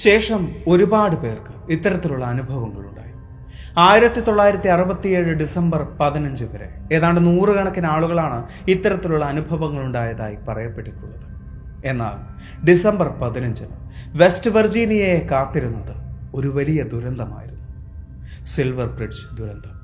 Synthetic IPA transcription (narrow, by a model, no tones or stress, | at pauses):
ɕe̞ːʂɐmo̞ɾubaːɽɨpe̞ːrkɨit̪ːɐɾɐt̪ːiluɭːɐːnubʱɐʋɐŋːɐɭuɳɖa̰ːji | u | aːjiɾɐt̪ːit̪o̞ɭːaːjiɾɐt̪ːiɐrubɐt̪ːije̞ːɻɨɖisɐmbɐrpɐðinɐɲd͡ʑɨʋɐɾḛe̞ːðaːɳɖenuːrɨɡɐɳɐkːinaːɭuɣɐɭaːɳɨ | it̪ːɐɾɐt̪ːiluɭːɐːnubʱɐʋɐŋːɐɭuɳɖaːjɐðaːjipɐrɐjɐpːe̞ʈːikʲːunːɐðɨ | e̞nːa̰ːl | ɖisɐmbɐrpɐðinɐɲd͡ʑɐnɨ | ʋe̞stɨʋɐrd͡ʑiːnijɐjekaːt̪ːiɾunːɐðɨo̞ɾuʋɐlijɐd̪uɾɐnd̪ʱɐma̰ːjiɾunːu | silʋɐrpriɖd͡ʑɨ̥d̪uɾɐnd̪ʱɐm